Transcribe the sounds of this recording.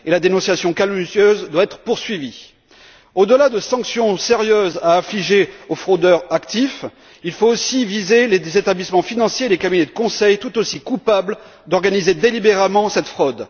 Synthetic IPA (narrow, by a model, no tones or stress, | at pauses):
elad̪enɔ̃sjasjɔ̃kaluzjøzd̪waɛt̪χəpuʁsɥivi | od̪əlad̪əsɑ̃ksjɔ̃seʁjøzaːfliʒeofχod̪œʁakt̪if | ilfoosivizelezet̪ablismɑ̃finɑ̃sjeːlekabined̪əkɔ̃sɛjt̪ut̪osikupabl | d̪ɔʁɡanized̪elibeʁamɑ̃sɛt̪fχɔd̪